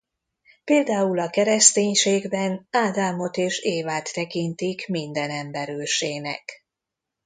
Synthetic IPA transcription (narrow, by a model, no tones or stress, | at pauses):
peːld̪aːulɒkɛɾɛst̪eːɲʃeːɡbɛnaːd̪aːmo̞t̪eːʃeːvaːt̪ːɛkint̪ikmind̪ɛnɛmbɛɾøːʃeːnɛ̰k